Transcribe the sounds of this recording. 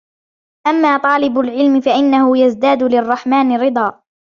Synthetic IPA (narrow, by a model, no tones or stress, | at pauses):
ʔamːaːt̪ˤɑːlɪbʊlʕɪlmɪfaʔɪnːahʊjazd̪aːd̪ʊlɪrˤːɑħmaːnɪɾɨd̪ˤɑː